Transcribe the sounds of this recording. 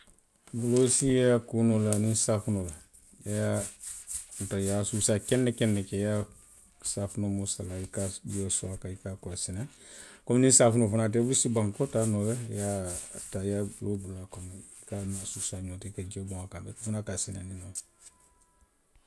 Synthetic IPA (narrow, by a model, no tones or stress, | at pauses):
bulosijakunolaninsafunola | jaa | ntajasusaːkɛnːɛkɛnːɛkɛja | safunomusalaikad͡ʒosɔakaikakɔlasinakɔmnĩsaːfunofunat̬ɛbulsibaŋkɔtaːnobɛjatajabulobulakomikanasusaɲotekad͡ʒobɔ̃ŋakabɛkufunakasinanino